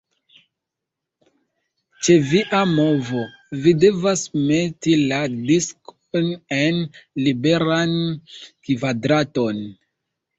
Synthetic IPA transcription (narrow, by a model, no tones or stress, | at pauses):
t͡ʃe̞viʔamo̞vo̞ | vide̞vasme̞tiladiskonenlibe̞ɾankvadɾato̞n